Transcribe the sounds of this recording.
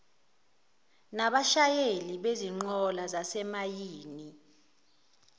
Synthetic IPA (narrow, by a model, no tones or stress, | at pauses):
naɓaʃajeliɓeziŋ͡ǃɔlazasɛmajiːni